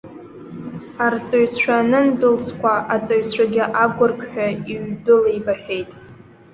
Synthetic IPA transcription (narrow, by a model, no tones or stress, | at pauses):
art͡sʼaɥsʃʷᶣanɨnbɨlsʰkʷʰaʔat͡sʼaɥsʷaɡʲɪʔaɡʷʊrkʲʼħᶣaiɥdɨlejbaħᶣejtʼ